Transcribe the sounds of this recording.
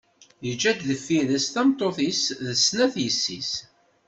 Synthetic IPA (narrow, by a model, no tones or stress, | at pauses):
jəd͡ʒːæd̪ðəfːiləsθæmt̪ˤːoθisðəsːnæθjəsːis